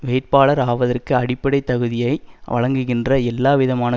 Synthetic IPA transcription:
ʋeːʈ̚paːɭɐɾaːʋɐðɐrkɯɐɽɪpːɐɽɐɪt̪ːɐɣɯðɪjɐɪʋɐ̰ɻɐŋɡɯɣɪndrɐɛlːaːʋɪðɐmaːnɐ

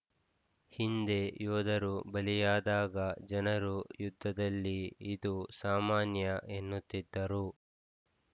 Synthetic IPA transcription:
hind̪e̞jɔːd̪ɐɾubɐlijaːd̪aːɡɐd͡ʒɐnɐɾujud̪ʱːɐd̪ɐlːiːd̪usaːmaːnjɐʔenːut̪ːid̪ːɐɾu

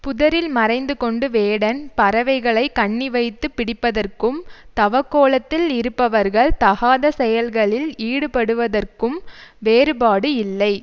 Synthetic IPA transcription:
pʊðɐɾɪlmɐɾɐɪnd̪ɯkɔɳɖɯʋeːɽɐnpɐɾɐʋɐɪɣɐɭɐɪkːɐɳːɪʋɐɪt̪ːɯpːɪɽɪpːɐðɐrkɯmt̪ɐʋɐkːoːɭɐt̪ːɪlɪɾɯpːɐʋɐɾɣɐɭt̪ɐɣaːðɐsɛjɐlɣɐɭɪliːɽɯpɐɽɯʋɐðɐrkɯmʋeːɾɯpaːɽɯɪlːɐɪ

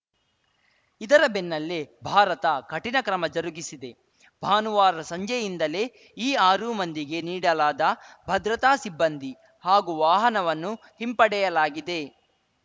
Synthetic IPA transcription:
id̪ɐɾɐbenːɐlːebʱaːɾɐt̪ɐkɐʈinɐkɾɐmɐd͡ʒɐɾuɡisid̪e̞ | bʱaːnuʋaːɾɐsɐɲd͡ʒɐjind̪ɐle̞ː | iːaːɾumɐnd̪iɡe̞niːɽɐlaːd̪ɐbʱɐd̪ɾɐt̪aːsibːɐnd̪i | haːɡuʋaːɦɐnɐʋɐnːu | himpɐɽɛjɐlaːɡid̪e̞

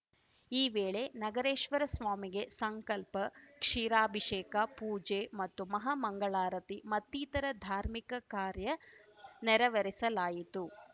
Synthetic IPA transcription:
iːʋeːɭe̞nɐɡɐɾeːʂʋɐɾɐsʋaːmiɡe̞sɐŋkɐlpɐkʂiːɾaːbʱiʂeːkɐpuːd͡ʒemɐt̪ːumɐɦamɐŋɡɐɭaːɾɐt̪imɐt̪ːiːt̪ɐɾɐd̪ʱaːɾmikɐkaːɾjɐnɛɾɐʋɐɾisɐlaːjit̪u

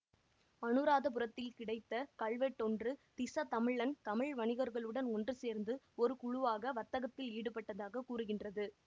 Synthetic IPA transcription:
ɐnɯɾaːðɐp̬ʊɾɐt̪ːɪlkɪɽɐɪt̪ːɐkɐɭʋɛʈːɔndrɯt̪ɪsɐt̪ɐmɪɭːɐnt̪ɐmɪɭʋɐɳɪɣɐɾɣɐɭɯɽɐnɔndrɯseːɾnd̪ɯ | ɔɾɯkʊɻʊʋaːɣɐʋɐt̪ːɐɣɐt̪ːɪliːɽɯpːɐʈːɐðaːɣɐkuːɾɯɣɪndrɐðɯ

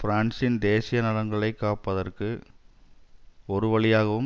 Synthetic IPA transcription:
fɪɾaːɳsɪnd̪eːsɪjɐnɐlɐŋɡɐɭɐɪkːaːpːɐðɐrkɯ | ɔɾɯʋɐɭɪjaːɣɐʋɯm

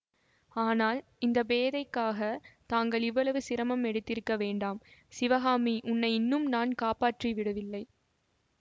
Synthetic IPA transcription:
aːnaːl | ɪnd̪ɐbeːðɐɪkːaːɣɐt̪aːŋɡɐɭɪʋːɐɭɐʋɯsɪɾɐmɐmɛɽɯt̪ːɪɾɯkːɐʋeːɳɖaːmsɪʋɐɣaːmiʔʊnːɐɪɪnːɯmnaːnkaːpaːʈriʋɪɽɯʋɪlːɐɪ

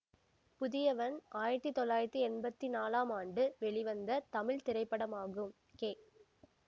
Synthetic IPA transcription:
pʊðɪjɐʋɐnaːjɪɾɐt̪ːɯt̪ːɔlːaːjɪɾɐt̪ːiɛnbɐt̪ːinaːlaːmaːɳɖɯʋɛɭɪʋɐnd̪ɐt̪ɐmɪɭt̪ɪɾɐɪpːɐɽɐmaːɣɯm | keː

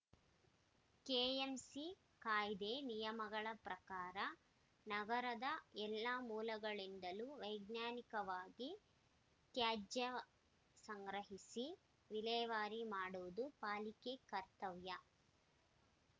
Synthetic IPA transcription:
keːemsi | kaːjd̪eːnijɐmɐɡɐɭɐpɾɐkaːɾɐ | nɐɡɐɾɐd̪ɐɛlːamuːlɐɡɐɭind̪ɐluʋɐjɡnjaːnikɐʋaːɡi | t̪jaːd͡ʒɐ | sɐŋɡɾɐɦisi | ʋilɛːʋaːɾimaːɽuʋud̪upaːlikekɐɾt̪ɐʋjɐ

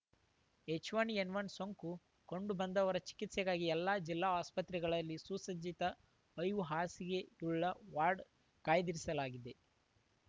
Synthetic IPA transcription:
et͡ʃʋanienʋɐnsoŋku | ko̞ɳɖubɐnd̪ɐʋɐɾɐt͡ʃi̥kit̪sɛɡaːɡiɛlːaːd͡ʒilːaːaːspɐt̪ɾɛɡɐɭɐlːisuːsɐd͡ʒit̪ɐ | ɐjʋuɦaːsiɡe̞uɭːɐʋaːɾɖ | kaːjd̪iɾisɐlaːɡid̪e̞

